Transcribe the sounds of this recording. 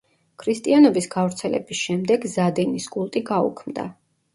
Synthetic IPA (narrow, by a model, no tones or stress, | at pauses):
kʰɾist̪ʼianɔbisɡavɾt̪sʰɛlɛ̰bisʃɛmd̪ɛɡzad̪ɛniskʼulˠt̪ʼiɡaṵkʰmd̪a̰